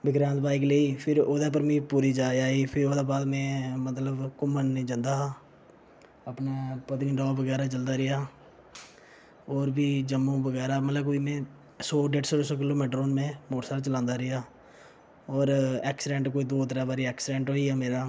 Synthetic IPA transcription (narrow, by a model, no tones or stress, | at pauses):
bɪɡɾãːnd̪̚baːɪkleːiːpʰɪɾoːd̪aːp̬əɾmĩːpuːɾiːd͡ʒaːaːiːpʰɪɾoːd̪aːbaːd̪mɛ̃ːmət̪ləbkʊmənːĩːd͡ʒə̃nd̪aː | əpneːpət̪niːɖɔːʋəɡɛːɾaːt͡ʃəld̪aːɾɪjaː | ɔːɾbiːd͡ʒəmːũːʋəɡɛːɾaːmət̪ləb̚koːiːmẽː | sɔːɖeːʈsoːsɔːk̬ɪloːmeːʈɾoːnmẽːmoːʈsaːɾt͡ʃəlãːnd̪aːɾɪjaː | ɔːɾɛːksɪɖɛ̃ːɳʈkoːiːd̪oːt̪əɾaːbaːɾiːɛːksɪɖẽːɳʈoːiːɛːmeːɾaː